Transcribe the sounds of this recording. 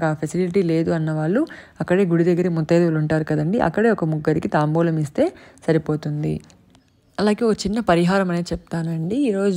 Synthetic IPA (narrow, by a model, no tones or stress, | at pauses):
kaːpʰɐsiliʈiːle̞ːd̪uɐnːɐʋaːɭːu | ɐkːɐɽe̞ːɡuɽid̪ɐɡːɐɾimɔt̪ːɐjd̪uluɳʈaːɾukɐd̪ɐɳɖiʔɐ̰kːɐɽe̞ːɔkɐmuɡːɐɾikit̪aːmbɔːlɐmist̪e̞ːsɐɾipo̞ːt̪und̪ḭ | ɐlaːɡe̞ːokɐt͡ʃinːɐpɐɾiɦaːɾɐmɐne̞ːt͡ʃɛp̚t̪aːnɐɳɖiːɾo̞ːd͡ʒ